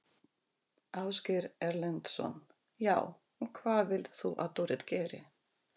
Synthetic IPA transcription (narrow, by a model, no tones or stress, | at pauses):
awscɛɾɛɾlɛnt̪sɔ̰n | jaːw | ɔɣkʰvaːðvɪlt̪θuʔa̰ðt̪ɔwɾɪt̪cɛːɾɪ̰